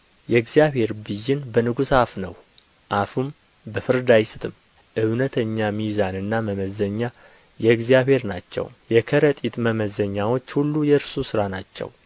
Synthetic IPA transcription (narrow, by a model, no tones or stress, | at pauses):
jɛɡzijaβhe̞ɾbɨjːɪnbənɨɡusafnə̰w | ʔafum | bəfɨɾd̪ajsɨt̪ʰɨm | ʔɨwnət̪ʰəɲːamizanɨnːaməməzəɲːa | jɛɡzijaβhe̞ɾnat͡ʃːɛ̰wjɛkʰəɾət̪ʼit̪ʼməməzəɲːawo̞t͡ʃːhulːujɛɨɾsusɨɾanat͡ʃːɛ̰w